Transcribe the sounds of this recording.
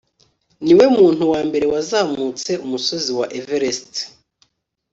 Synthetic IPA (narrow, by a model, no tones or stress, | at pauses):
niwe̞muːn̥huwaːmbe̞ɾe̞wazaːmut͡se̞umuso̞ziwaʔeveɾest